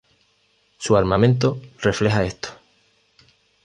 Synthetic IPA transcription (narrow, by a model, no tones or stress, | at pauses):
suaɾmãmẽnt̪̬ore̞fle̞ɦae̞st̪o̥